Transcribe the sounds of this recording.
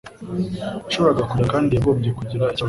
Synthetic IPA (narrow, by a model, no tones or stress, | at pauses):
aʃoβo̞ɾaɡakuakaːndieβoːbɟekuɟiɾaica